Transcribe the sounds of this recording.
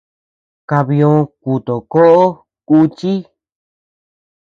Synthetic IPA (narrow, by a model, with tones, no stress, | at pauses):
ka˧βi˧õ˧ku˨t̪o˨ko˦ʔo˦ | ku˧˦t͡ʃi˦